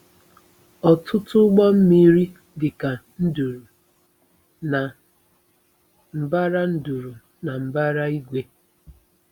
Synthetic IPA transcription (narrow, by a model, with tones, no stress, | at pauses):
ɔ˨tʰʊ˦tʊ˦ɡ͡bɔ˦m̩˦mi˦ɾi˦ | dɪ˨ka˨n̩˦du˨ɾu˨ | na˨ | m̩˨ba˦ɾa˦n̩˦du˨ɾu˨ | na˨m̩˨ba˦ɾa˦i˦ɡʷe˦